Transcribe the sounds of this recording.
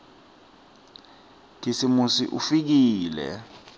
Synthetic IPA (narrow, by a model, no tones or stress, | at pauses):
tʰisimusḭʔufik̬iːlɛ̰